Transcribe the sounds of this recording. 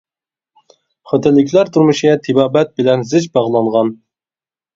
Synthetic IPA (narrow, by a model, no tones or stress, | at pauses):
χət̪ʰɪnlːɪkʲlæɾt̪ʰuɾmɨʃɡʲɛt̪ʰibɑːbæt̪̚bɪlɛnzɪt͡ʃbɑʁlˠɑɴʁɑn